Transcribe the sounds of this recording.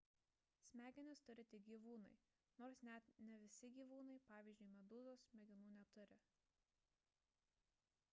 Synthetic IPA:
sʲmʲæːɡʲɪnʲɪst̪ʊɾʲɪt̪ʲɪɡʲiːʋuːnɐɪ | noːɾsnʲɛt̪nʲɛʋʲɪsʲɪɡʲiːʋuːnɐɪpɑːʋʲiːzʲd͡ʒʲʊɪmʲɛd̪uːzoːsmʲɛɡʲɪnuːnʲɛt̪ʊɾʲɪ

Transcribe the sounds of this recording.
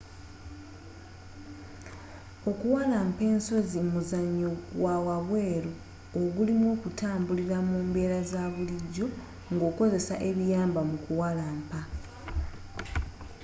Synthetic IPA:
o̞kuwalaːmpe̞ːnso̞zimuzaɲːowawaβwe̞ːɾoː | ɡulimwo̞ːkutaːmbuliɾamuːmbe̞ːɾazaβuliɟːo̞ | ŋɡo̞ːko̞ze̞saʔe̞βijaːmbamukuwalaːmpa

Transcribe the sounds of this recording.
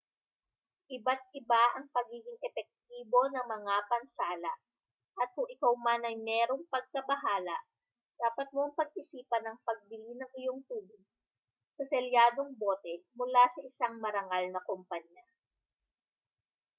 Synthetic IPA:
ʔɪbat̪̚ʔɪbaʔɐŋpɐɡiːɡɪŋʔɛpɛk̚t̪̚iːbo̞nɐŋmɐŋapɐnsaːlɐʔ | ʔɐt̪̚kʊŋʔɪkawmanɐjmɛːɾo̞ŋpɐɡ̚kɐbɐɦaːlɐʔ | d̪̥aːpɐt̪̚moɐŋpɐɡ̚ʔɪsiːpɐnɐŋpɐɡ̚bɪlinɐŋɪjoŋt̪uːbɪɡ̚ | sɐsɛljaːd̪o̞ŋboːt̪ɛmʊlasɐʔɪsaŋmɐɾɐŋalnɐkompɐɲːa

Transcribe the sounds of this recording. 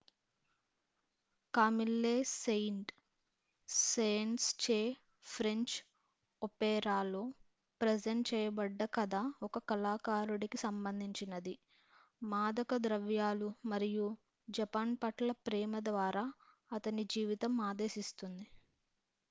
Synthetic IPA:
kaːmilːeːsejɳʈ | sejɳʈst͡ʃeː | pʰɾeɲt͡ʃ | opɛːɾaːloː | pɾed͡ʒeɳʈt͡ʃɛːjɐbɐɖːɐkɐd̪aːɔkɐkɐlaːkaːɾuɽikisɐmbɐnd̪ʱiɲt͡ʃinɐd̪i | maːd̪ɐkɐd̪ɾɐʋjaːlumɐɾiju | d͡ʒɐpaːnpɐʈlɐpɾɛːmɐd̪ʋaːɾaː | ɐt̪ɐnid͡ʒiːʋit̪ɐmaːd̪e̞ːsist̪und̪i

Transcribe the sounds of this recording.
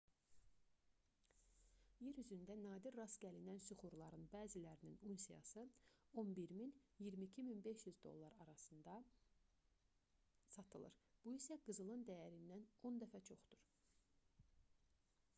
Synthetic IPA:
jeɾyzynd̪ænɑːd̪iɾɾɑsɟʲælinænsuχuɾlˠɑɾɯnbæːzilæɾininunsijɑ̰sɯo̞nbiɾminjiɾmicʰiminbe̞ʃjyzd̪o̞̰lˠːɑɾɑɾɑsɯnd̪ɑ | sɑt̪ʰɯlˠɯ̰ɾb̥uisæɡɯzɯlˠɯnd̪æjæɾinːæno̞nd̪æfæt͡ʃʰo̞χd̪uɾ

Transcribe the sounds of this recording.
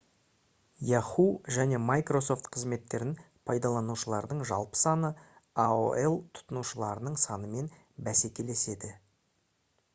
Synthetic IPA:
jɑχuʒæne̞majkro̞so̞ft̪qʰəzme̞t̪ːe̞ɾɪn | pʰɑjd̪ɑlˠɑnuʃəlˠɑɾd̪əɴʒɑ̰lˠpə̥sɑnəao̰elˠt̪ʰʊ̥t̪ənuʃəlˠɑɾənəɴsɑnəme̞n | bæse̞kʲe̞le̞se̞d̪ɪ

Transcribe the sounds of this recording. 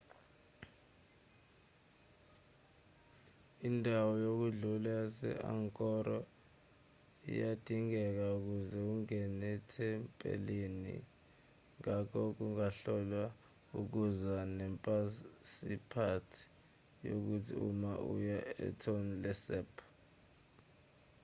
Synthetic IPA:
indʱawɔjok̬uɮulasɛ̰ʔa̰ŋkʼɔɾɔ | ḭjad̥ʱiŋɛk̬auk̬uzɛuŋɛnɛtʰɛmpʼḛlenḭ | ŋakʰɔk̬uŋaɬɔla | uk̬uzanɛmpʼasipʰatʰi̥ | jok̬utʰḭumaʔṵjaɛ̰tʰonilɛsɛːpʰ

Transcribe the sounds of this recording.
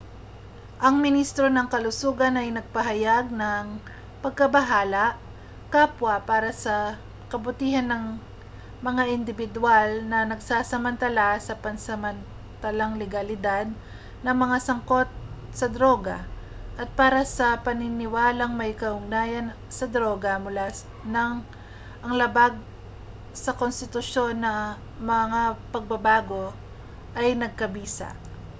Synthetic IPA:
ʔɐŋmɪnist̪ɾo̞nɐŋkɐlʊsuːɡɐnɐjnɐɡ̚pɐɦɐjaɡ̚nɐŋ | pɐɡ̚kɐbɐɦaːlɐʔ | kaːpwɐpaːɾɐsɐ | kɐbʊt̪iːhɐnːɐŋ | mɐŋaʔɪnd̪ɪbɪd̪ʊalnɐnɐɡsaːsɐmɐnt̪ɐlasɐpɐnsɐmɐn | t̪ɐlaŋlɛɡɐlɪd̪ad̪̚ | nɐŋmɐŋasɐŋko̞t̪̚ | sɐd̪ɾo̞ːɡɐ | ʔɐt̪̚paːɾɐsɐpɐnɪnɪwaːlɐŋmɐjkɐʔʊɡnaːjɐn | sɐd̪ɾo̞ːɡɐmʊla | nɐŋ | ʔɐŋlɐbaɡ̚ | sɐkonst̪ɪt̪ʊʃo̞nːɐ | mɐŋapɐɡ̚bɐbaːɡo̞ | ʔɐjnɐɡ̚kɐbiːsɐ̰ʔ

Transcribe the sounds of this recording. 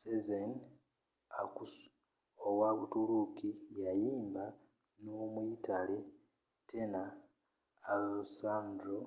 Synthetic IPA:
sezen | aku | owakutulukijajiːmba | nomuitale | tʰenaː | usaːmdɾo

